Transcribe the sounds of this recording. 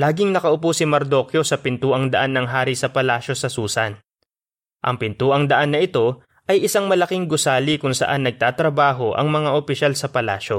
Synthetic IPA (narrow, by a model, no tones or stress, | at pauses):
laːɡɪŋnɐkɐʔʊposɪmɐɾd̪o̞kjo̞sɐpɪnt̪uːʔɐŋd̪ɐʔanːɐŋɦaːɾisɐpɐlaːʃo̞sɐsuːsɐn | ʔɐ̰ŋpɪnt̪uːʔɐŋd̪ɐʔanːɐʔɪt̪o̞ | ʔɐjʔɪsaŋmɐlɐkɪŋɡʊsaːlikʊŋsɐ̰ʔanːɐɡ̚t̪aːt̪ɾɐbaːɦo̞ʔɐ̰ŋmɐŋaʔopɪʃalsɐpɐla̰ːʃo̞